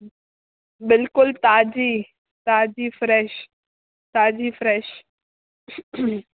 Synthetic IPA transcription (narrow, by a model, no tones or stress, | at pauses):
bɪlkʊlt̪aːd͡ʑiː | t̪aːd͡ʑiːfɾɛːʃ | t̪aːd͡ʑifɾɛːʃ